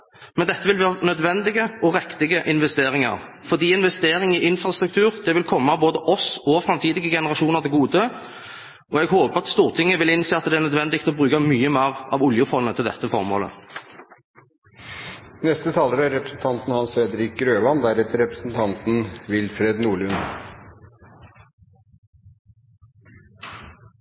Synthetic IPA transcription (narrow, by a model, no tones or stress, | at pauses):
mɛnd̪ɛt̪ʰːəʋɪlʋæːʁnœd̪ʋɛnd̪ɪɡəʔɔʁɛkt̪ɪɡəʔɪnʋɛst̪eːʁɪŋɑ̰ʁ | fɔʁd̪iːɪnʋɛst̪eːɾɪŋɪʔɪnfʁɑst̪ɾʉkt̪ʰʉːɾd̪̥ɛʋɪlkʰɔmːɑboːd̪əʔɔsɔfɾɛmt̪ʰiːd̪ɪɡəɡɛnəʁɑʃuːnəʁd̪ɛɡuːd̪ə | ʔɔɛɡhoːpəʁɑt̪st̪uːʁt̪ʰɪŋːəʋɪlɪnseːɑt̪̚d̪ɛæʁnœd̪ʋɛnd̪ɪk̚t̪ɔbʁʉːkɑmyːəmeːʁɑ̰ʋʊljʊfɔnːət̪ʰɪld̪ɛ̰t̪ːəfɔʁmo̰ːlə̰ | nɛst̪ət̪ʰɑːləɾəæɾɛpɾəsn̩t̪ʰɑnt̪n̩hɑnsfɾɛd̪əɾɪk̚ɾøːʋɑnd̪æɾɛt̪ʰəɾɾɛpɾəsn̩t̪ʰɑnt̪n̩ʋɪlfɾeːd̪nuːɭʉn